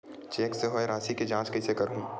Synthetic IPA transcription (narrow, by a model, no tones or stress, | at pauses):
t͡ʃeːkseɦoeɾaːsiked͡ʒãːt͡ʃkɐisekɐɾɦũː